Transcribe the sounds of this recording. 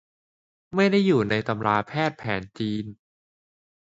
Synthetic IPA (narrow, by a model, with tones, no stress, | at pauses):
ma˥˩jda˥˩jːuː˨˩na˧jt̪a˧mlaː˧pʰɛː˥˩t̪̚pʰɛ̰ː˩˦nt͡ɕiː˧n